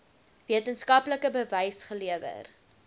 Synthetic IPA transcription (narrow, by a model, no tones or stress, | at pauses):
viətənskɐpləkəbəvɛjsχəliəvə̰r